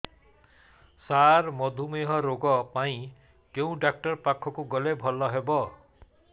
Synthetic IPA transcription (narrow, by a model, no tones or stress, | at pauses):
saɾmɔd̪ʱumeɦɔɾoɡɔpaĩ | keũɖak̚ʈɔɾpakʰɔkuɡɔlebʱɔlɔɦebɔ